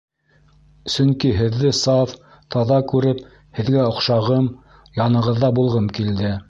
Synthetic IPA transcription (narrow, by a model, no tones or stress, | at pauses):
sɵŋkiɦɘ̆ðːɘsɑf | t̪ʰɑðɑkʉɾɘp | hɘ̆ðɡæŏqʃɑʁɤm | jɑnɤ̆ʁɤ̆ðːɑbulˠʁɤmkild̪ɘ